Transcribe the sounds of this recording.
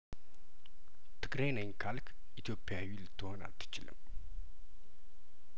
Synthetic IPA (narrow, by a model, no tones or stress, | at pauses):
t̪ʰɨɡɾenəjnkʰalk | ʔit̪ʰjo̞pːjawilɨt̪ʰːɨho̞na̰lt̪ʰːɨ̥t͡ʃɪlɨ̰m